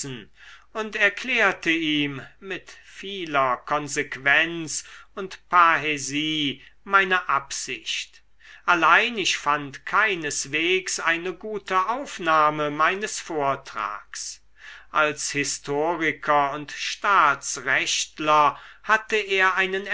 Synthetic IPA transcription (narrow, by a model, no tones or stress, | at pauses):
n̩ʊntɛɐkleːɐtəiːmːɪtfiːlɐkʰɔnzekv̥ɛnt͡sʊntpʰaɦeziːmaɪnɐʔapz̥ɪ̰çt | ʔalaɪnɪçfantkʰaɪnəsv̥eːksʔaɪnəɡuːtʰəʔaʊfnaːməmaɪnəsfoːɐtʁ̥a̰ːks | ʔalshɪstʰoːʁɪkʰɐʊntʃtaːt͡sʁɛʃtlɐhatəeːɐʔaɪnən